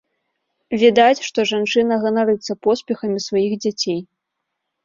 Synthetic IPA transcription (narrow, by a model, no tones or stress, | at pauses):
vʲid̪at͡sʲʂt̪ɔʐant͡ʂɨnɐɣɐnaɾɨt̪sːɐpɔspʲɛxɐmʲisvajiɣd͡zʲat͡sʲej